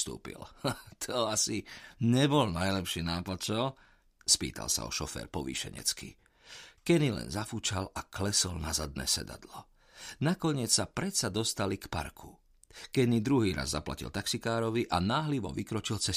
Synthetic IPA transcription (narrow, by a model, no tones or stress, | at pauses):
st̪ṵːpḭlt̪ʰɔasiɲɛbɔlnajlɛpʃiːnaːplat͡ʃɔl | spḭːt̪ʰa̰lsa̰ɔ̰ʃɔfɛ̰ːɾpɔʋḭːʃɛ̰ɲɛ̰t͡skḭ | kɛnilɛ̰nzafut͡ʃalaklɛsɔlnazad̪nɛ̰ːsɛ̰d̪a̰d̪lɔ | nakɔɲɪɛt͡ssapɾɛt̪sad̪ɔst̪alikpa̰ɾkʰu | kɛnid̪ɾuɦiːɾa̰zːapla̰cḭlt̪aksikaːɾɔʋiʔanaːɦliʋɔ̰ʋikɾɔt͡ʃilt͡sɛ